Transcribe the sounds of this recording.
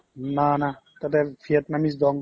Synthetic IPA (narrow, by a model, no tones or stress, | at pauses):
nanat̪at̪ɛfʰiət̪̚namis̬d̪ɔŋ